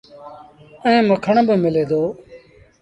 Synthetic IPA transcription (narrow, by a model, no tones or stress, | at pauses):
əẽːməkʰəɳbəmɪleːd̪oː